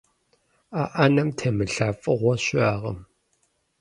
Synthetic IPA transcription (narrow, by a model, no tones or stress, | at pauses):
aʔɐnɐmtʰemɨɬaːfʼɨʁʷɔɕaːʁɐ̰m